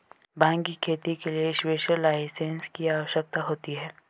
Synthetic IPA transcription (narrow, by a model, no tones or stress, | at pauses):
bãːŋɡikʰeːt̪ikelieɪʃweːʃəlaːɪsẽnskiaːʋəʃjək̚t̪aɦoːt̪iɦɛː